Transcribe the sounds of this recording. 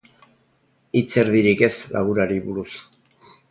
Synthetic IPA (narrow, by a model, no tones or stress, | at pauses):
it͡se̞ɾðiɾike̞slʔa̰ɣuɾaɾiβuɾus